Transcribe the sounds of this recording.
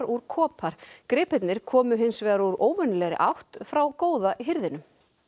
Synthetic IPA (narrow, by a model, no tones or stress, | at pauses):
ɾuɾkʰɔːpʰaɾ̥kɾɪːpɛt̪nɪɾ̥kʰɔːmʏɦɪnsvɛːɣaɾuɾoːwvʏnlɛɣɾɪ̰ʔa̰wht̪fɾawkoːwðaɦɪɾðɪnʏm